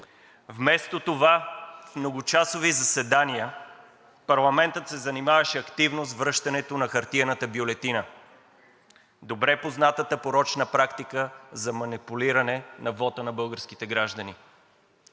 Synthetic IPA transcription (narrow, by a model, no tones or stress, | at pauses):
vmɛst̪ot̪ovafmnoɡʊt͡ʃasovizɐsɛd̪aniə | pɐɾlˠɐmɛnt̪ət̪sɛzɐnimavɐʃɛɐkt̪ivnozvɾɤʃt̪ɐnɛt̪onɐxɐɾt̪iənət̪əbjolɛt̪inə | d̪obɾɛpoznat̪ət̪əpoɾɔt͡ʃnəpɾakt̪ikəzɐmɐnipuliɾɐnɛnɐvɔt̪ənɐbɤlˠɡəɾsk̟it̪ɛɡɾaʒd̪əni